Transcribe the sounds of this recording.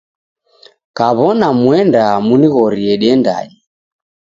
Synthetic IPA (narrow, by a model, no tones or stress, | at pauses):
kaβɔnamwɛndamuniɣɔɾiɛɗiɛnda̰ɲi